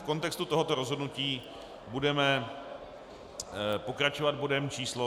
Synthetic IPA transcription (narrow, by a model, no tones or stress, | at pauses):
fko̞nt̪ɛkst̪ut̪o̞ɦo̞t̪o̞ɾo̞zɦo̞dnuciː | budɛmɛ | po̞kɾat͡ʃovad̪̚bodɛmt͡ʃiːslo